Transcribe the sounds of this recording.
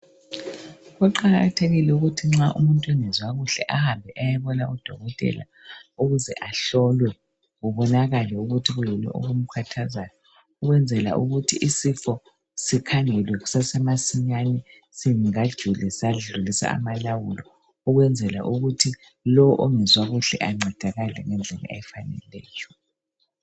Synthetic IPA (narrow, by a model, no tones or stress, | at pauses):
ɣɔǃaɣatʰeɣilɛuɣutʰiŋ͡ǁaʔumuntʼwɛnɛzwaɣuɬɛ̰ʔahambʱɛʔajaβɔnaud̥ʱɔɣɔtʼɛ̰la̰ | uɣuzɛʔaɬɔlwɛ | ɣuβɔnaɣalɛuɣutʰiɣujɛlɛ̰ʔo̰ɣum̩kʰatʰazajɔ | uɣwɛnd͡zʱɛla̰ʔṵɣutʰiʔisifɔ | sikʰaŋɛlwɛɣusasɛmasiɲanɛ | siŋiŋad̥ʒ̥ʱulɛsaliɮulisa̰a̰malawulɔ | uɣwɛnd͡zʱɛla̰ʔuɣutʰi | lɔɔʔoŋɛzwaɣuɬɛ̰ʔaŋ͡ǀʱɛd̥ʱaɣalɛ̰ŋɛnd͡ɮʱɛla̰ʔeɛfanɛ̰lɛːjɔ